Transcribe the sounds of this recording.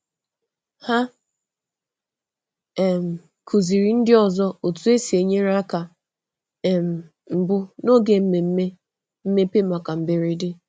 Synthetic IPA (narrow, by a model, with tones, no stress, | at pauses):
ha˦˨ | m̩˨ | kʰu˨zi˨ɾi˨n̩˦dɪ˦ɔ˨zɔ˦o˨tu˦e˦si˨e˨ɲe˦ɾa˦ka˨ | m̩˨ | m̩˨bʊ˦no˦ɡe˨m̩˦me˨m̩˦me˦ | m̩˦me˦pe˦ma˨ka˨m̩˨be˨ɾi˨dɪ˦